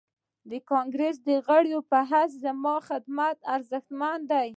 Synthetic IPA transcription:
d̪əkɑŋɡɾes̬d̪əɣəɽjopaɦas̬zamɑxɪd̪mat̪aɾzəxt̪mand̪aj

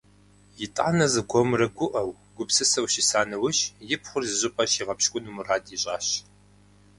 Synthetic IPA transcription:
jɪtʼa̰ːnɐzɨɡʷʰomrɐɡʷʊʔɐw | ɡʷʊpsɨsɐwʃisaːnɐwʊɕjɪpʰχʷʊrzɨʑɪpʼɐɕiʁɐpʃkʷʼʊnumuraːdiɕʼaːɕ

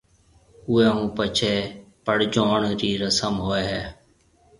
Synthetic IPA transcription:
ʊeːɦũːpət͡ʃʰeːpəɽd͡ʒoːɳɾiːɾəsəmɦoːɛːɦɛː

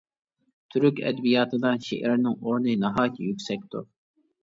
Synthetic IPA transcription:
t̪ʰyɾykʲɛ̰d̪bijɑːt̪ʰɯd̪ɑnʃḛʔɛɾnɪŋoɾnɨnɑɦɑːkʲʰijykʲsɛk̚ʲt̪ṵ

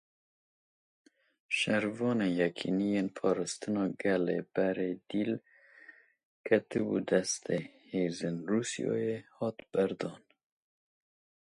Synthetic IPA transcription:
ʃɛɾvɑːnejɛkʰḭnijenpʰɑːɾɑst̪ɨnɑːɡɛlḛb̥ɛɾeːd̪iːl | kʰɛt̪ɨbṵd̪ɛst̪ʰeheːzɨnruːsijɑ̰ːjehɑt̪b̥æɾd̪ɑːn

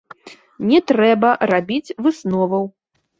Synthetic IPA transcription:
nʲɛt̪ɾɛbɐrabʲit͡sʲvɨsnɔvɐw

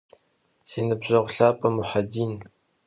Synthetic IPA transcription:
seːnɨbʑɐʁʷʊɬaːpʼɐmʊħadiːn

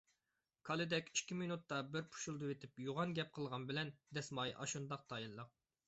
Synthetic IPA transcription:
kʰɑlˠɨd̪ɛkʲi̥ʃkʲʰːiminut̪ːɑbɪɾpʰu̥ʃulˠd̪ɨwet̪ʰɪpjuʁɑnɡʲɛp̚qʰəlˠʁɑnbɪlɛnd̪ɛsmɑjʔɑ̰ʃund̪ɑq̚t̪ʰɑjilːˠəq̚

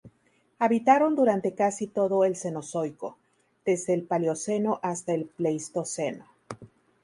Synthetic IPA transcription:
aβit̪aɾo̞nd̪uɾant̪e̞kasit̪o̞ðo̞e̞lse̞no̞so̞jko̞ | ð̥e̞zðe̞ːlpaljo̞se̞no̞ʔast̪aelplejst̪o̞seno

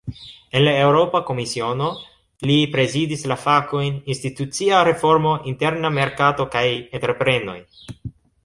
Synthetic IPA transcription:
e̞nlae̞wɾo̞pako̞misio̞no̞ | lipɾe̞zidislafako̞jninstitut͡siaɾe̞fo̞ɾmo̞ʔinte̞ɾname̞ɾkato̞kajentɾepɾe̞no̞̰j

